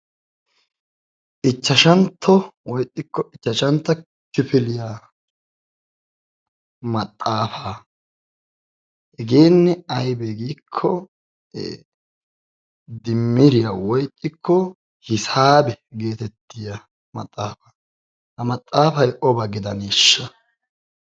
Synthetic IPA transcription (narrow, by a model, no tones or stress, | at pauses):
ʔɪt͡ʃːɐʃɐnt̪ʰːɔwɔjt̪ʼːɪkːɔɪt͡ʃːɐʃɐnt̪ːɐ | kɪfɪlɪjaː | mɐt̪ʼːaːfaː | hɛɡeːnːɛɐjbɛɡiːkʰːɔ | d̪ɪmːɪɾɪjawɔjt̪ʼːɪkʰːɔ | hɪsaːbɛɡe̞ːt̪ɛt̪ːɪjɐ | mɐ̰t̪ʼːaːfaː | hɐmɐt̪ʼːaːfɐjʔɔbɐɡɪd̪ɐniːʃːɐ